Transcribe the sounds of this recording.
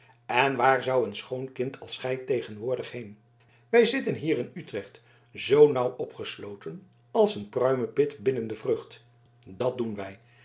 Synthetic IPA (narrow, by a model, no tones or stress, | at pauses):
ɛnʋaːɹzɑwənsχownkɪntʰɑlˠsχɛjtejχənʋʊːɹdəχɦejn | ʋɛjzɪtənɦiːrɪnytrɛχt | zownʌwɔpχəslowtən | ɑlˠsənprœɥməpɪtbɪnəndəvrɵχt | dɑt̚dunʋɛj